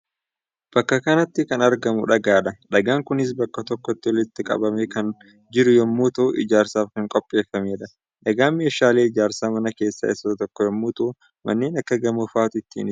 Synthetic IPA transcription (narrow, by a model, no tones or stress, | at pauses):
b̥ɐkːɐkɐnɐt̪ːɪkɐnɐɾɡɐmʊ̰ᶑɐɡaːᶑɐᶑɐɡaːŋkʊnɪs̬bɐkːɐt̪ɔkːɔt̪ːɪwɔlɪt̪ːɪkʼɐ̰bɐmeːkɐn | d͡ʒɪɾʊjɔmːuːt̪uːʔɪ̰d͡ʒaːɾsaːfkɐŋkʼɔpʼːe̞ːfːɐmeːᶑɐ | ᶑɐɡaːme̞ːʃaːle̞ːɪd͡ʒaːɾsaːmɐnɐke̞ːsːɐ̰ɪsːɐt̪t̪ɔkːɔjɔmːuːt̪u | mʔɐ̰nːeːnɐkːɐɡɐmʊfaːt̪ʊɪt̪ːḭːnɪ